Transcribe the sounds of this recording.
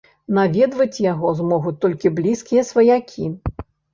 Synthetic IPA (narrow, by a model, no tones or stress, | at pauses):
navʲɛd̪vɐt͡sʲjaɣɔzmɔɣut̪ɔlʲkʲiblʲiskʲijɐsvɐjakʲʰi